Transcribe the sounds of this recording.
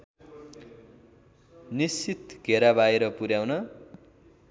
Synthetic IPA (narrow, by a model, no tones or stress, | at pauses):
nisit̪ɡʱeɾabaeɾʌpuɾjawnʌ